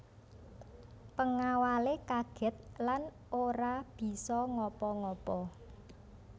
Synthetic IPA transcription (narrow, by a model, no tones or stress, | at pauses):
pəŋawalekaɡ̥ɛ̤t̪̚lan | oɾab̥i̤sɔŋɔpɔŋɔpɔ